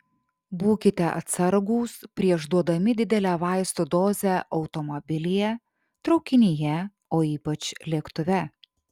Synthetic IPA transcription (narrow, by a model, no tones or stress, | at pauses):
buːkʲɪt̪ʲɛʔɐ̰t̪sɐɾɡuːspʲɾʲiɛʒd̪uɔd̪ɐmʲɪd̪ʲɪd̪ʲɛlʲæːʋɑˑɪst̪od̪oːzʲæʔɒʊt̪ɔmɔbʲɪlʲɪjɛ | t̪ɾɒʊkʲɪnʲɪjɛ | oːiːpɐt͡ʃlʲeːkt̪ʊʋʲɛ